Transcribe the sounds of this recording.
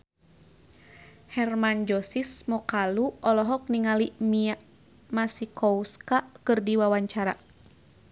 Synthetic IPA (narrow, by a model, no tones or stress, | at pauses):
hɛrmand͡ʒɔsismɔkaluɔlɔɦɔk̚niŋalimia | masikɔwskakɨrdiwawaɲt͡ʃaɾa